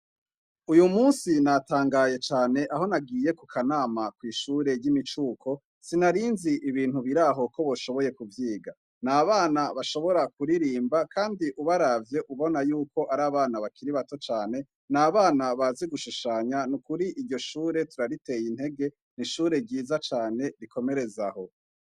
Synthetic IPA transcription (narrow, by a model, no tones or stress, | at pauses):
ujumuːnsinataːŋɡaje̞t͡ʃaːne̞ʔaɦo̞naɡiːje̞kukʰanaːmakwiːʃuːɾe̞ɾɟimit͡ʃuːkʰo̞ | sinaɾiːnziʔiβiːn̥huβiɾaɦo̞kʰo̞βoʃo̞βo̞je̞kuvjiːɡa | naːβaːnaβaʃo̞βo̞ɾakuɾiɾiːmbakʰaːndiʔuβaɾavje̞ʔuβo̞najuːko̞ʔaɾaːβaːnaβakʰiɾiβato̞t͡ʃaːne̞ | naːβaːnaβazeɡuʃuʃaɲanukuɾiʔiɾɟo̞ʃuːɾe̞tuɾaɾite̞jin̥he̞ɡe̞ | niʃuːɾe̞ɟiːzat͡ʃaːne̞ɾikʰo̞me̞ɾe̞zaho̞